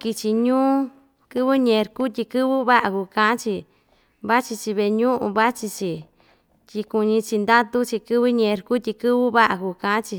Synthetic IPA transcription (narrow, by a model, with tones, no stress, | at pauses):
ki˧t͡ʃi˧ɲũː˦ | kɨ˦βɨ˦ɲẽ˧˨˧ɾku˦t̪̬ʲi˧kɨ˦βɨ˦βa˦ʔa˧ku˧kã˧ã˦t͡ʃi˧ | βa˦t͡ʃi˧t͡ʃi˧βe˧ɲũ˦ʔṵ̃˧βa˦t͡ʃi˧t͡ʃi˧ | tʲi˧ku˧ɲĩ˧t͡ʃi˧nd̪a˦t̪u˦t͡ʃi˧kɨ˦βɨ˦ɲẽ˧ɾku˦t̪ʲi˧kɨ˦βɨ˦βa˦ʔa˨ku˧kã˨˦ã˦t͡ʃi˧